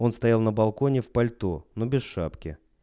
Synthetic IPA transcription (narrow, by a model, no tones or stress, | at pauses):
o̞nst̪ɐjalˠnəbɐlˠko̞nʲɪfpɐlʲt̪onobʲɪsʂapkʲɪ̰